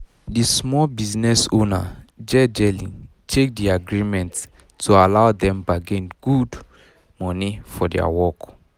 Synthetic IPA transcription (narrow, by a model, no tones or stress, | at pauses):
dismɔlbiznɛsõnad͡ʒɛd͡ʒɛlĩ | tʰek̚diaɡɹimɛ̃nt | tʰualaʊdɛ̃mbaɡẽnɡ̥ud | mɔnifɔdɛ̰a̰wɔk